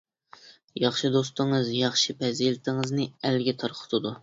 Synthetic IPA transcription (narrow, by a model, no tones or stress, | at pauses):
jɑχʃid̪ost̪ɨŋɨzjɑχʃipʰɛzilɪt̪ʰɪŋɨznɨælɡʲɛt̪ʰɑɾqʰə̥t̪ʰɨd̪u